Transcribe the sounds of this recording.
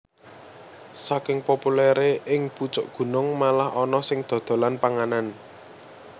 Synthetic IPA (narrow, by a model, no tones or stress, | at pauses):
sakɪŋpopulɛɾeʔɪŋput͡ʃʊʔɡ̥ṳnʊŋmalahɔnɔsɪŋd̪̥o̤d̪̥o̤lanpaŋanan